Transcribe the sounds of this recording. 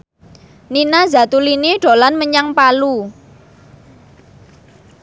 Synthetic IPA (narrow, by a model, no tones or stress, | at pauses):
ninaza̤t̪uliniɖ̥o̤lanməɲaŋpalu